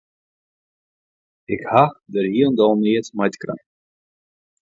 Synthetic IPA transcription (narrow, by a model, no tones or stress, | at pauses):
ɪkhaxdərɦiəndɔlˠniːətmajtkra̰